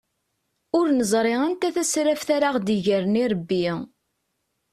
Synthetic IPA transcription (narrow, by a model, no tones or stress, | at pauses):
ʊɾnəzˤɾˤeʁænt̪æθæsɾæfθaɾaʁd̪iʝəɾniɾˤəbːi